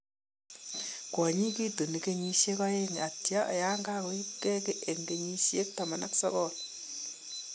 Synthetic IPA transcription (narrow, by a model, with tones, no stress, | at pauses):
ɡ̥wa˨ɲi˦ki˦do˨ni˨ke˦ɲi˦ʃe˦kwa˦je˦ŋ˨a˨ti˨ja˦ʔa̰˨ja˦ŋɡa˦ko˦i˦kːe˦kɛ˦ʔe˨ŋke˨ɲi˦ʃi˦je˦kta˨ma˨na˦ku̥˦sa̰˦βɔː˦la